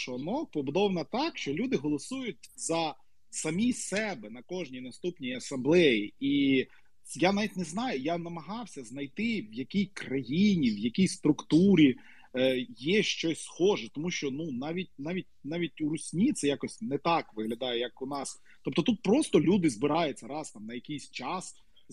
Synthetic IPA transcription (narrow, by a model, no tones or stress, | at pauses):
ʃɔnɔk̚pɔbʊd̪ɔwnɐt̪ɑkʃt͡ʃɔlʲud̪ɪɦɔlˠɔsujʊtʲzɐ | sɐmʲijsɛbɛnɐkɔʒnʲijnɐst̪upnʲijɐsɐmblˠɛjii | janɑʋʲitʲnɛznɑjʊjanɐmɐɦɑwsʲɐznɐjt̪ɪʋjɐkʲijkrɐjinʲiwjɐkʲijst̪ɾʊkt̪uɾʲi | jɛʃt͡ʃɔsʲsxɔʒɛt̪ɔmuʃt͡ʃɔnunɑʋʲit̚ʲnɑʋʲit̚ʲnɑʋʲit̚ʲuɾʊsʲnʲit̪sɛjakɔsʲnɛt̪ɑkʋɪɦlʲɐd̪ɑjɛjɐkʊnɑs | t̪ɔp̚t̪ɔt̪ut̪̚pɾɔst̪ɔlʲud̪ɪzbɪɾɑjʊt͡sʲːɐɾɑst̪ɑmnɐjɐkʲijsʲt͡ʃɑs